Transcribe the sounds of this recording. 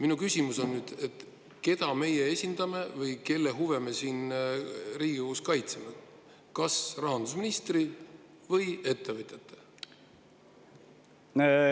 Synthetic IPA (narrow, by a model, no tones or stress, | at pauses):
minukysʲimuso̞nːyːd̪̥et̪ | ke̞d̪̥ɑme̞jeesʲind̪̥ɑme̞vɤjke̞lːe̞ɦuve̞me̞siːn | riːɡ̥ikokuskɑjt̪seme̞ | kɑsrɑɦɑnd̪̥usminist̪ri | vɤje̞t̪ˑːe̞vɯt̪ʲːˑet̪ˑːe | ne